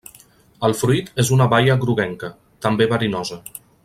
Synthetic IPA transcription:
əlˠfɾuit̪ezunəβajəɣɾuɣɛŋkə | t̪əmbeβəɾinɔzə

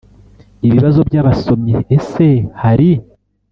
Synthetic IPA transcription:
iβiβazo̞bjaːβaso̞mɲeːse̞haɾi

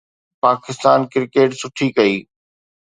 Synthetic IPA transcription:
paːkɪst̪aːnkɪɾkeːʈsʊʈʰikɐiː

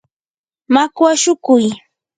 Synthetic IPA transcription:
makwaʃʊkʊj

